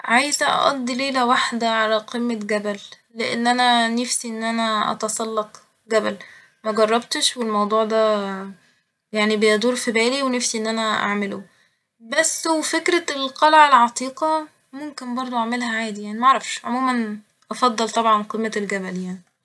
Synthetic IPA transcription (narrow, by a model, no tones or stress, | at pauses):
ʕajezæʔɑ̰ʔɑ̰d̪ˤːileːlæwaħd̪æʕalæqimːeɡæbælː | eʔḛnːʔænænefsiʔenːʔænæʔɑ̰t̪ɑsˤɑlːɑq | ɡæbæl | mæɡɑrˤːɑbt̪ʃwelmɑwd̪ˤuːʕd̪æː | jaʕnibejæd̪ˤuːɾfibæːliwenefsiʔenːʔænæʔa̰ʕmelo | bæsːwefekɾælqɑlʕelʕɑt̪ˤiːqɑ | momkenbɑɾˤd̪ˤoʔaʕmelhæʕaːd̪ijaʕnimæʔaʕɾˤɑfʃʕomuːmæn | ʔɑfɑd̪ˤːɑlt̪ˤɑbʕɑnqimːæelɡæbæljaʕni